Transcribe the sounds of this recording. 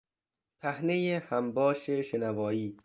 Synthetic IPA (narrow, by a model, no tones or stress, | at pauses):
pʰæhnejehæmbɒːʃeʃenævɒːiː